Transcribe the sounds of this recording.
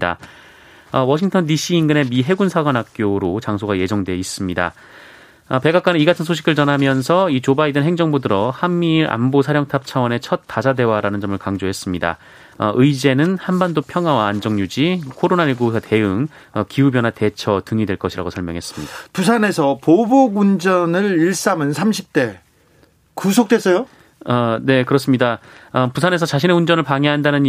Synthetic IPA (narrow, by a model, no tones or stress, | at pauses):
da̰ | ʌwʌɕʰiŋtʰʌndiɕ͈iːnɡɯne̞miɦe̞ɡunsʰaɡwanɦak̚k͈joɾot͡ɕaŋsʰoɡaje̞d͡ʑʌŋdwe̞is͈ɯmɲida̰ | ʌpe̞ɡak͈wanniɡatʰɯnsʰoɕʰi̥ɡɯɭt͡ɕʌnɦamjʌnsʰʌit͡ɕobaidɯnɦe̞ŋd͡ʑʌŋbodɯɾʌhamːiɾa̰mbosʰaɾjʌŋtʰap̚t͡ɕʰawʌne̞t͡ɕʰʌt̚t͈ːad͡ʑade̞waɾanɯnd͡ʑʌmɯɭkaŋd͡ʑoɦe̞s͈ɯmɲida̰ | ʌ̰ʔɯid͡ʑe̞nɯnhanbandopʰjʌŋɦawaːnd͡ʑʌŋɲud͡ʑikʰoɾonaiɭɡosʰate̞ɯŋ | ʌkiubjʌnɦate̞t͡ɕʰʌtɯŋidweɭk͈ʌɕʰiɾa̰ɡosʰʌɭmjʌŋɦe̞s͈ɯ̥mɲid̥apusʰane̞sʰʌpoboɡund͡ʑʌnɯɾiɭs͈amɯnsʰamɕʰip̚t͈e̞ | kusʰok̚t͈wes͈ʌjo | ʌne̞kɯɾʌs̬͈ɯmɲidaʌpusʰane̞s̬ʰʌt͡ɕaɕʰineund͡ʑʌnɯɭpaŋɦeɦandanɯn